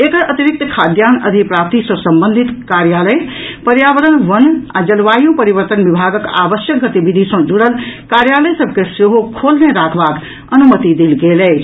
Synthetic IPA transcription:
ekəɾʔət̪iɾik̚t̪əkʰad̪janə̰d̪ʱipɾap̚t̪isə̃sə̃mbə̃nd̪ʱit̪kaɾjaləjpəɾjabəɾənʋəna̰d͡ʒəlʋajũpəɾiβəɾt̪ənbibʱaɡəka̰bəsjək̚ɡət̪ibid̪ʱisə̃d͡ʒuɽəlkaɾjaləjsəb̚ʱkeseɦokʰolneɾakʰbak | ənumət̪id̪elɡelɛt͡ʃʰ

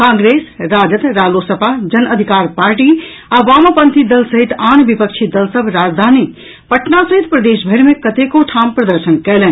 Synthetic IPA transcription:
kãŋɡɾesɾad͡ʒət̪ɾalosəpad͡ʒənəd̪ʱikaɾpaɾʈi | abamapənt̪id̪əlsəɦit̪anbipək̚t͡ʃʰid̪əlsəbʱɾad͡ʒd̪ʱani | pəʈnasəɦit̪pɾəd̪esbʱəɾmẽkət̪ekoʈʰampɾəd̪əɾsənkɛlɛn

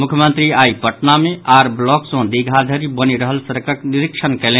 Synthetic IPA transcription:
mukʰjəmənt̪ɾiaipəʈnameʔaɾblɔksə̃d̪iɡʱad̪ʱəɾibəniɾəɦəlsəɾkəkniɾikt͡ʃʰənkɛlẽ

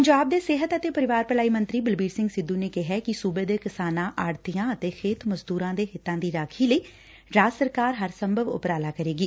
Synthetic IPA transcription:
pəɲd͡ʒaːb̚d̪eːsɪɦət̪ət̪eːpəɾɪʋaːɾpəlaːiːmənt̪ɾiːbɪlbiːɾsɪ̃ŋɡsɪd̪uːneːkɪɦɛːkɪsuːbeːd̪eːkɪsaːnãːʔaːɾt̪ijãːət̪eːxʰeːt̪ʰməzd̪uːɾãːd̪eːɦɪt̪ːãːd̪iːɾaːkʰiːləiː | ɾaːsəɾkaːɾɦəɾsəmbʱəʋʊ̰pɾaːlaːkəɾeːɡiː

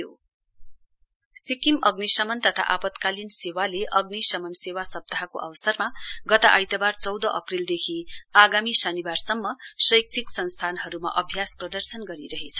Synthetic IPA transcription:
o | sikimʌɡnisʌmʌnt̪ʌt̪ʰa̰ʔapʌt̪kalinsewaleʔʌɡnisʌmʌnsewasʌb̚t̪aɦko̰ʔʌwʌsʌrmaɡʌt̪aʔajt̪ʌbart͡sʌwd̪ʌʔʌprild̪ekʰiaɡamisʌnibarsʌmːʌsʌjk̚t͡sʰiksʌnst̪ʰanɦʌɾuma̰ʔʌbʱjasprʌd̪ʌrsʌnɡʌɾiɾʌɦet͡sʰʌ̥

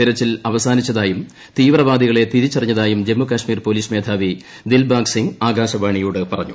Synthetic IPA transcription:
t̪iɾɐt͡ɕːilɐʋɐsaːnit͡ɕːɐðaːjum | t̪iːʋrɐʋaːd̪iɣɐɭe̞t̪iðit͡ɕːɐrɐɲːɐðaːjumd͡ʑe̞mːukɐɕmiːrpoliːsme̞ːd̪ʰʱaːʋi | d̪ilbaːksiŋaːɡaːɕɐʋaːɳijuːɽɨpɐrɐɲːu

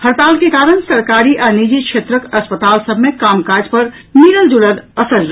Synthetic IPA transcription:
həɾt̪alkekaɾəɳsəɾkaɾiʔanid͡ʒikʰʃʰet̪ɾəkəspət̪alsəbmekaːmkad͡ʒpəɾ | miɾəld͡ʒulələsəɾd͡ʒ

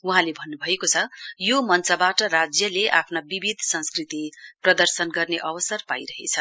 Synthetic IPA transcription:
uɦãlebʱʌnːubʱʌekot͡sʰʌjomʌnt͡sʌbaʈʌɾad͡zjʌleʔa̰pʰnabibid̪ʱsʌ̃nskrit̪iprʌd̪ʌrsʌnɡʌrneʔʌbʌsʌrpaiɾʌɦḛt͡sʰʌ

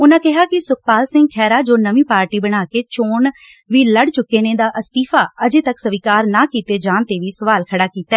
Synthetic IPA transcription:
ʊnãːkɪɦaːkɪsʊk̚paːlsɪ̃ŋɡ̚kʰɛːɾaːd͡ʒoːnəʋĩːpaːɾʈiːbəɽ̃aːkeːt͡ʃoːɳ | ʋiːləɽt͡ʃʊkːeːnẽːd̪aːʔəst̪iːfʰaːəd͡ʒeːt̪əksəʋiːkaːɾnaːkiːt̪eːd͡ʒaːnt̪eːʋiːsəʋaːlkʰəɽaːkiːt̪aɛː

